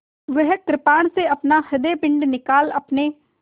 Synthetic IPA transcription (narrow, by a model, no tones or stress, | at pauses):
ʋəɦkɾɪpaːɳseəpnaːhəd̪eːpɪ̃ɳɖnɪkaːləpneː